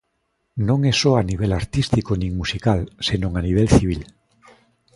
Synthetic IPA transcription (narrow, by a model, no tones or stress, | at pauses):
nõŋesoaniβ̞elaɾt̪ist̪ikonĩŋmusikalsenõŋaniβ̞elθiβ̞il